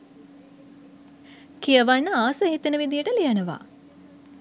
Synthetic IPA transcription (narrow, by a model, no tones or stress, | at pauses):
kijəʋanːəaːsəɦit̪ənəʋid̪ijəʈəlijənəʋa̰